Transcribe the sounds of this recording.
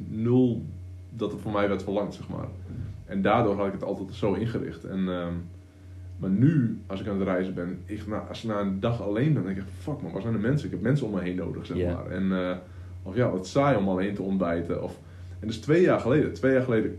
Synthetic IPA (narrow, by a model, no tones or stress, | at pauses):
nølˠ | dɔtətfomɛjʋɛrtfəlɑŋtsɛxma̰ːrɛndaːdʊːrɦɔtɪkətɔ̰lˠtɛtsoːɪnxərɪ̰xtɛ̰nə | marnyɔsɪkanətrɛjzəbɪnɪxnaʔsɪk̚naːəndɑxaleːnbɛndɛŋkɛkfnfɔkmaʋɔsɛjnəmɛnsənɪkɛp̚mɛnsəomɛjɦeːnːo̰ːdəxsɛma̰ːrɛ̰n | ɔfjaʋɔtsajɔmalˠeːntəɔnbɛjtə̰ʔɔf | ɛndøstʋeːjaːrxəleːdətʋeːjaːrxəleːdə